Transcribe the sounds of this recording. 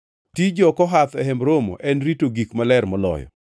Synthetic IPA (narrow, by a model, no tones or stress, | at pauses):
tid͡ʒɔkɔɦat̪ɛhɛmɾomo̰ʔɛnɾitoɡikmalɛrmɔlɔ̰jɔ̰